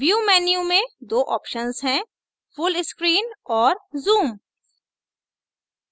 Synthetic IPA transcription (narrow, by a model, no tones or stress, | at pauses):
ʋjuːmɛːnijũmẽd̪oːʔɔːpʃənzɦɛ̃ | fʊlɪskɾiːnɔːɾzuːm